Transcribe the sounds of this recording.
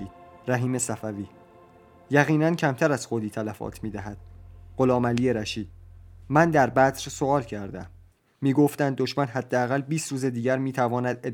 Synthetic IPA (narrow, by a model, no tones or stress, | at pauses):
ɾæɦiːme̞sæfæviː | jæɣiːnæncʰæmt̪ʰæɾæz̥xoːd̪iːt̪ʰælæfɒ̰ːt̪ʰmiːd̪æɦæd̪̥ɢ̥o̞lɒːmæliːeɾæʃiːd̪̥̚mænd̪æɾbæt̪ɾsoɒːlcʰæɾd̪æ̰mː | iːɡoft̪ænd̪̚ːoʃmænɦæd̪ːeæɣælbiːst̪ɾuːze̞d̪iːɟæɾmiːt̪ʰævɒːnæd̪e